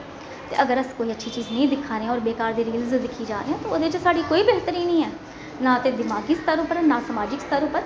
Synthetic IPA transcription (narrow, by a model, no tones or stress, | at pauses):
t̪ḛːʔəɡəɾəskoːiːətːʃʰiːt͡ʃiːznəĩːd̪ɪkʰːaːɾeːãɔːɾbeːkaːɾd̪eːɾiːlzd̪ɪkʰːiːd͡ʒaːɾeːɦɛ̃ːt̪oːoːd̪eːt͡ʃsaːɖiːkoːiːbeːɦt̪əɾiːnĩːɛː | nãːt̪ẽːd̪ɪmaːɡiːst̪əɾõːpəɾnãːsəmaːd͡ʒɪkst̪ʰəɾõːpəɾ